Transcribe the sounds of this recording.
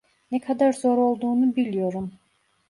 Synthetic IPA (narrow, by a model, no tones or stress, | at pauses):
nekʰad̪aɾzo̞ɾo̞lˠd̪uːnubilʲijo̞ɾum